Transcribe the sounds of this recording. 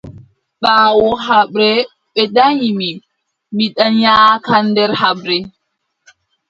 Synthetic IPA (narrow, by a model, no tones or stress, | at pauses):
ɓaːwɔɦaɓɾɛ | ɓɛɗaɲimi | miɗanjaːkandɛɾɦaɓɾɛ